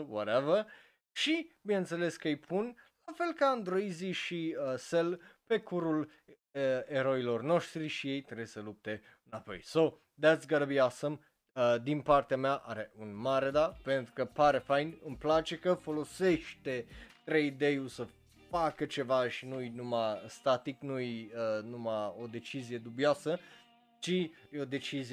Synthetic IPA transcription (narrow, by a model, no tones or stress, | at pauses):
wɔɾevə | ʃibineɨnt̪se̞le̞skəjpʰunlafe̞lkəand̪ɾoiziʃiəselpe̞kʰuɾul | əeɾo̞ilo̞rno̞ʃt̪ɾiʃije̞jt̪ɾesəlup̚t̪e̞ | ɨnapo̞̰jso | d̪æt̪sɡəɾəbiasəm | əd̪inpart̪eameaʔaɾe̞unmaɾed̪ape̞nt̪ɾukəpaɾefajnɨmplat͡ʃe̞kəfo̞lo̞seʃt̪e̞t̪ɾejd̪ejulsə | fakət͡ʃe̞vaʃinujnumast̪at̪iknujənumao̞d̪e̞t͡ʃizije̞d̪ubioasə | t͡ʃijod̪e̞t͡ʃizi